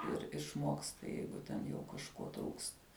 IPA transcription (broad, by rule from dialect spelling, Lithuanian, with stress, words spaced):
ɪr ɪʃˈmoːkstɐ ˈjɛɪɡʊ tʲɛn jɛʊ kɐʃˈkoː truːkstɐ